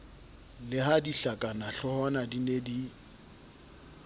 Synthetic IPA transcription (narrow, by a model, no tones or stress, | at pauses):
lɪɦadiɬakʼanaɬɔhɔnadinedi